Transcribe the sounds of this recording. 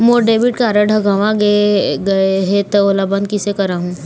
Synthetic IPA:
moːɖeːʋɪʈkaːɾəɖʱɐɡaʋãɡeɡɐeɦet̪ɐoːlabãnkɪsekɐɾaːɦũː

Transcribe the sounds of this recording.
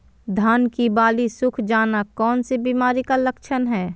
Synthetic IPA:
d̪ʱaːnkibaːlisʊkʰd͡ʒaːnakɔːnsebiːmaːɾikalɐkʃʰənɦɛː

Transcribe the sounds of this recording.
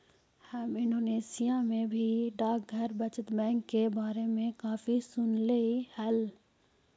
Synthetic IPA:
həmɪ̃ɳɖoːneːsijamẽbʱiɖaːk̚ɡʱɐɾbɐt͡ʃət̪bɛ̃ːŋkːebaːɾemẽkaːfisʊnleihɛl

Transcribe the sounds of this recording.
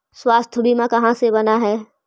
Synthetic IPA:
swaːst̪ʰʊɽimãkɐɦãsebɐnaɦɛː

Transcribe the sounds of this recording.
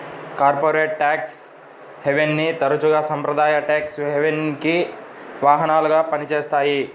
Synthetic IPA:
kaːɾpoːɾeːʈʈːaːks | heʋenːit̪ɐɾɐt͡ʃuɡɐsɐmpɾɐd̪aːjɐʈaːksɦeʋenki | ʋaːɦɐnaːluɡaːpɐnit͡ʃeːst̪aːji

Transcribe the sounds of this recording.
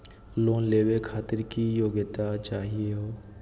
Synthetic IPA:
loːnleːwekʰaːt̪ɪɾkijoːɡət̪at͡ʃaːɦieɦoː

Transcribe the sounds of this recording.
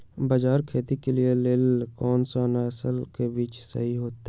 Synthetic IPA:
bad͡ʒaːɾkʰeːt̪ikelieleːlkɔːnsanaɐsəlkebiːt͡ʃsə̰ɦiɦoːt̪e

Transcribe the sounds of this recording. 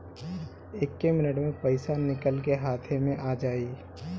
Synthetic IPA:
ɪkːemɪnəʈmẽpəɪsanɪkəlkeɦaːt̪ʰemẽʔaːd͡ʒaːiː

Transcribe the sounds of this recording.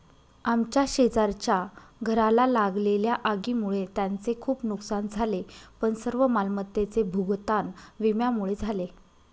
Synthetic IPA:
amt͡ɕjaɕed͡zaɾt͡ɕjaɡʱəɾalalaɡleljaʔaɡimuɭet̪jant͡sekʰuːpnuksand͡zʱalepəɳsəɾʋəmalmət̪ːet͡sebʱuɡt̪anʋimjamuɭed͡zʱale

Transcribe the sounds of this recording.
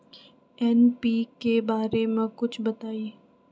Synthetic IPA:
ɛːnpiːkebaːɾemẽkʊt͡ʃʰbɐt̪aːie

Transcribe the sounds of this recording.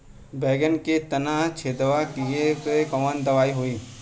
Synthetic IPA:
beːɡənket̪ɐnaːt͡ʃʰeːd̪ʋakijepekəmənd̪ɐʋaːiɦoiː

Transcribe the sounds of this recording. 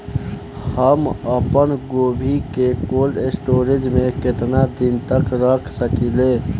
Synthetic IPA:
həməpənɡoːbʱikekoːlɖɪsʈoːɾɪd͡ʒmẽkɪt̪nad̪ɪnt̪əkɾəkʰsəkileː

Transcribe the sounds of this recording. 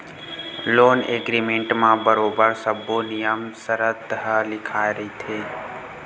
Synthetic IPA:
loːnḛːɡɾiːmẽːɳʈmãbəɾoːbəɾsəboːnɪjəmsəɾət̪ɦəlɪkʰaːeɾəɦit̪ʰeː

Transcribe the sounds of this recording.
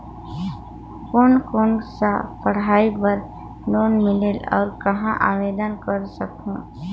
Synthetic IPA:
koːnkoːnsapɐɽ̤aːipəɾ | noːnmɪleːlɔ̰ːɾkɐɦãʔa̰ːʋeːd̪ənkəɾsəkũː

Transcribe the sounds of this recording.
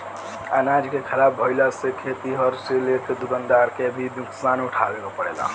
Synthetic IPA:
ənad͡ʒkekʰəlabʱoɪlasekʰet̪iɦɔɾselek̪ed̪uɡ̪ənd̪aɾkebʱib̪uksanuʈʰabekopəɽela̰

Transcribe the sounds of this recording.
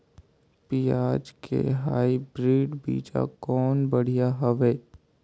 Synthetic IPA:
piːaːd͡ʒkʰḛɦaːibɾiːɖbḭːd͡ʒa̰kɔːnbəɽ̤ijaɦɐʋeː

